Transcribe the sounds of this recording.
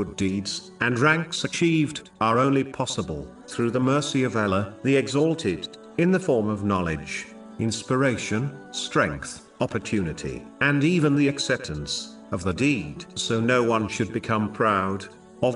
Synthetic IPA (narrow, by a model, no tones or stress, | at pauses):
ʊdidz̥ | ɨ̃nɹæ̃ŋksɨt͡ʃʰivd | ə˞õʊ̃nlipʰɑsəbəl̩ˠ | θɹʉðəmɜ˞siʌvɛlˠə˞ðiɨɡzɔlˠtʰɪɾ | ɨ̃nðɨfɔɹmʌvnɑlˠɪ̰d͡ʒ | ɪ̃nspə˞eɪʃɨ̃nstɹ̥ɛ̰̃ŋk̚θ | ɑpə˞tʰʉnɨɾḭ | ɨ̃nivɨ̃nðiɨksɛp̚tɨ̃ns | ʌvðədid̥soʊnoʊwʌ̃nʃɨd̚bɨkʰʌ̃mpʰɹ̥aʊɾ | ʌv